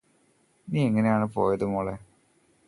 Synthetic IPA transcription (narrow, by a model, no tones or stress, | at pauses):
niːeŋːɐnejaːɳɨpo̞ːjɐðumoːɭe